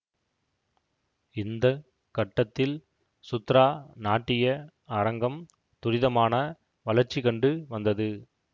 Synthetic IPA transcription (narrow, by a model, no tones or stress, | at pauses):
ɪnd̪ɐ | kɐʈːɐt̪ːɪl | sʊt̪ːɾaːnaːʈːɪjɐ | aɾɐŋɡɐm | t̪ʊɾɪðɐmaːnɐ | ʋɐlɐɾt͡ʃːikɐɳɖɯʋɐnd̪ɐðɯ